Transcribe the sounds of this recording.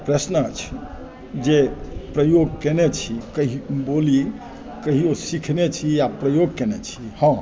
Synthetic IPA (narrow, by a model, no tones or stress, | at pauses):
pɾəsnət͡ʃʰi̥ | d͡ʒepɾəjoɡkenet͡ʃʰikəɦiboli | kəɦiosikʰnet͡ʃʰijapɾəjoɡ̚kenet͡ʃʰihə̃